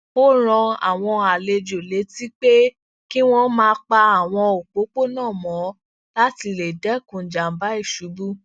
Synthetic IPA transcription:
o˦ɾ̃ɔ̃˧a̰˨w̃ɔ̃˧a˨le˧d͡ʒo˨le˨˦ti˦k͡pe˦ | ki˦w̃ɔ̃˦mãː˧˦k͡pa˧a˨w̃ɔ̃˧o˨k͡po˨˦k͡po˦nãː˦˨mɔ̃˨˦ | la˦ti˧le˨dɛ˨˦kũ˨d͡ʒa˨m̩˦ba˦i˦˨ʃu˨˦bu˦

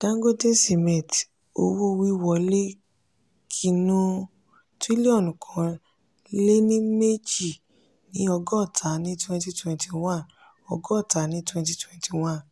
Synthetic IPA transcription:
d̥ã˦ŋ˦ɡo˦de˦se˨mɛ̃˨ti˨ | o̰˧˦wo˦wi˦wɔ˧˨le˦ | kʰi˧nũ˦˧ | ti˦li˦ɔ˦˨nũ˨kʰɔ̃˨˧ | le˦nĩ˦me˦d͡ʒi˦˨ | nĩ˨˦ɔ˧ɡɔ˦˨tʰa˨˦nĩ˦twɛ̃˧nti˦twɛ̃˧nti˧w̃ã˦n | ɔ˧ɡɔ˦˨ta˨˦nĩ˦twɛ̃˧nti˧twɛ̃˧nti˧˨w̃ã˦n

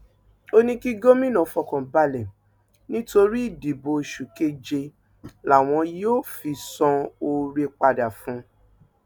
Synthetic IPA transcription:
o˦nĩ˦ki˦ɡo˦mĩ˦nɔ̃˨˦fɔ˧kɔ̃˨ba˧le˨ | nĩ˦to˧ɾi˦i˦˨di˨bo˧i˨ʃu˨ke˦d͡ʒe˧ | la˨w̃ɔ̃˧joː˦fi˧sɔ̃˧o˧ɾe˧k͡pa˧da˨fũ˨˦

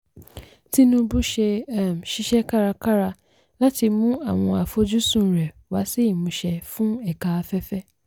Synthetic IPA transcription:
ti˦nũ˦bu˦ʃe˧a˦˨m̩˨ʃi˦ʃɛ˦ka˦ɾa˧ka˦ɾa˧ | la˦ti˧mũ˦a˦˨w̃ɔ̃˧a˨fo˨˦d͡ʒu˦sũ˦˨ɾɛ˨ | wa˨˦si˦i˦˨mũ˨˧ʃɛ˧fũ˦ɛ˦˨ka˨a˧fɛ˦fɛ˦

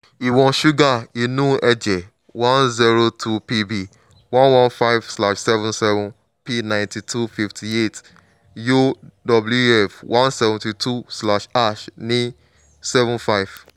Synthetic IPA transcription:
i˨wɔ̃˨ʃu˦ɡa˦˨i˨nũ˦ɛ˦d͡ʒɛ˨ | wã˦nzi˦ɾo˦tʰu˦pi˦bi˨ | wã˦nwã˦nfa˦ɪvsla˨ʃsɛ˦vũ˦nsɛ˦vũ˨n | pi˦nã˨ɪ̃nti˨tʰu˦fi˦ftʰi˨e˦˨t | jo˦dɔ˨blu˦ɛ˨fwʔã˦nsɛ˦vũ˨ti˨tʰu˦sla˦ʃa˦˨ʃnĩ˦ | sɛ˦vũ˦nfa˦ɪv

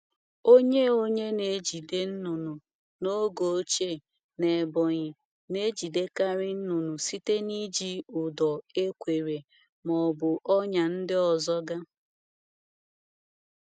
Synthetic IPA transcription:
o˦ɲe˦o˦ɲe˦ne˨˦d͡ʒi˨de˦n̩˦nʊ˨nʊ˨ | no˦ɡo˨o˦t͡ʃe˦˨ | ne˨bɔ˨ɲɪ˨ | ne˦d͡ʒi˨de˦ka˦ɾɪ˦n̩˦nʊ˨nʊ˨si˦te˦ni˦d͡ʒi˦ʊ˨dɔ˨e˦kʷe˨ɾe˨ | mɔ˨bʊ˨ʔɔ˦ɲa˨n̩˦dɪ˦ɔ˨zɔ˦ɡa˦

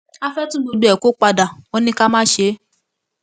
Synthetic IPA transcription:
a˦fɛ˦tũ˦bo˧du˦ɛ˨ko˦k͡pa˧da˨o˦nĩ˦ka˦mãː˦ʃe˧˦

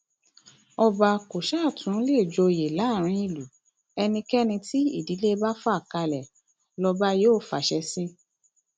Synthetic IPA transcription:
ɔ˧ba˧ko˨ʃa˦˨tʰũ˨˦le˦˨d͡ʒo˧˨je˨la˨˦˨ɾ̃ĩ˧˦i˧˨lu˨ | ɛ˧nĩ˧kɛ˦nĩ˧ti˦ḭ˦˨di˨˦le˦ba˦fɔ˦a˦˨ka˧lɛ˨ | lɔ˧ba˦joː˦˨fa˨ʃɛ˧sĩ˦

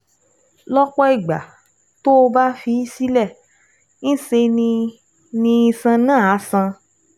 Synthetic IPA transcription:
lɔ˦k͡pɔ˦i˦˨ɡ͡ba̰˨ | to˦o˧ba˦fi˧i˦si˦lɛ˦˨ | ñ̩˦se˧nĩ˧ | nĩ˧ĩ˧sã˧nãː˦˨a˨˦sã˧

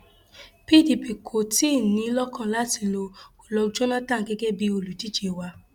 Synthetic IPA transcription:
pi˦˨di˨pi˨kʰo˨ti˦˨nĩ˧˦lɔ˦kʰɔ̃˦˨la˨˦ti˦˨lo˧ko˨lɔ˧d͡ʒo˦nã˦tã˦˨ɡɛ˦ɡɛ˦bi˧˦o˧˨lu˨d͡ʒi˦t͡ʃe˧˨wa˧

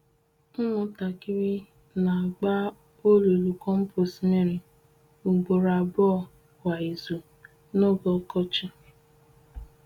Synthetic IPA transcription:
m̩˦mʊ˨ta˨ki˦ɾi˦ | na˨a˨ɡ͡ba˦ | o˦lo˨lu˨kɔ˦m̩˦po˨sme˦ɾi˨ | u˨ɡ͡bo˨ɾa˨bɔ˦˨ | wa˨i˨zu˨ | no˦ɡɔ˨˦kɔ˦t͡ʃɪ˦

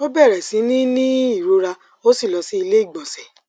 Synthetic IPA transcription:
o˦bɛ˦˨ɾɛ˨sĩ˨˦nĩ˦nĩ˦i˦˨ɾu˨˧ɾa˧ | o˦si˦˨lɔ˧si˦i˧le˦i˦˨ɡ͡bɔ̃˨sɛ˨

